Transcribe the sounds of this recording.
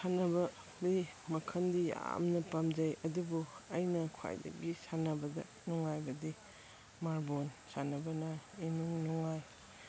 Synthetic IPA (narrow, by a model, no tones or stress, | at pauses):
sanɐbɐ | bi | mɐkʰɐndija̰mnɐpamd͡ʒɐjɐdubuɐjnɐkʰa̰jdɐ̰ɡisanɐbɐdɐ̰ | nuŋajbɐdi | maɾbonsanɐbɐnɐinuŋnuŋaj